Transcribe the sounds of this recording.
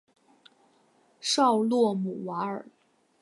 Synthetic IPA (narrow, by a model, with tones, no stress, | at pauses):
ʂɑ˥˧ʊlwɔ˥˩mu˨˩wa˧˥ə̰˞˨˩˦